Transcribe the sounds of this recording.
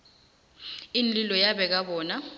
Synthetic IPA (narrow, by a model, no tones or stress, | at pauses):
inlilɔjaɓɛk̬aɓɔːna